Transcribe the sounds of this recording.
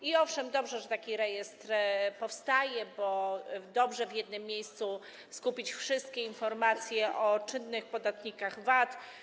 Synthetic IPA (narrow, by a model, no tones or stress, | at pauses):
iɔfʂɛmd̪ɔbʐɛʐɛt̪akʲiɾɛjɛst̪ɾpɔfst̪ajɛbɔd̪ɔbʐɛvʲjɛd̪nɘmːjejst̪su | skupʲit͡ɕfʂɘst̪̚kʲɛinfɔɾmat̪sʲjɛʔɔt͡ʂɘnːɘxpɔd̪at̪ɲikaɣvat̪